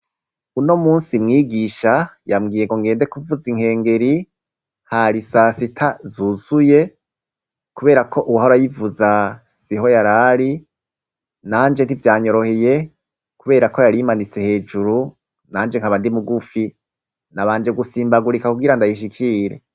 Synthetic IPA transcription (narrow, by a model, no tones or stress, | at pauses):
uno̞muːnsimŋiːɡiʃajamɡiːjeŋɡoŋɡe̞ːnde̞kuvuziŋ̥he̞ːŋɡe̞ɾi | haɾisasitʰazuz̥uje | kuβe̞ːɾakʰo̞ʔuwahoɾajivuza | siɦo̞jaɾaɾi | naːnd͡ʒe̞n̥ivjaːɲo̞ɾo̞he̞je̞ | kuβe̞ːɾako̞jaɾimanit͡se̞he̞ːd͡ʒuɾu | naːnd͡ʒeŋ̥haβandimuɡufi | naβaːnd͡ʒe̞ɡusiːmbaɡuɾikakuɡiɾandajiʃ̬ikʰiɾe̞̰